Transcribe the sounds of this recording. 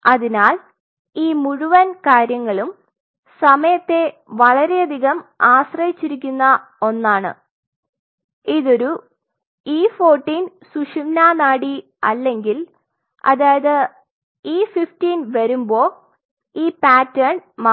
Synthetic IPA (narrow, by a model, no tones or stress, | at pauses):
ɐðinaːl | iːmuɻuʋɐnkaːɾjɐŋːɐɭum | sɐmɐjɐt̪ːe̞ | ʋɐɭɐɾe̞ɐd̪ʱiɣɐmaːsrɐjit͡ɕːiɾik̬ʲːunːɐ | o̞nːaːɳɨ̰ | iðo̞ɾu | iːfo̞ːrʈːiːn | suʂimnaːnaːɽi | ɐ̰lːe̞ŋɡil | ɐ̰ðaːjɐðɨ | iːfiftiːnʋɐɾumbo̞ː | iːpaːtːɐrɳma